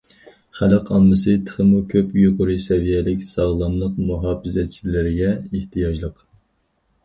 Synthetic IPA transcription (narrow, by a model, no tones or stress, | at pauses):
χælɨqʰɑmːɨsɨt̪ʰə̥χəmukʲʰøpjoqʊɾɨsɛvijɛlɪkʲsɑʁlˠɑmlˠəqmuɦɑːpɨzɛt̪̚t͡ʃʰilɪɾɪɡʲɛeht̪ʰɨjɑd͡ʒlˠəq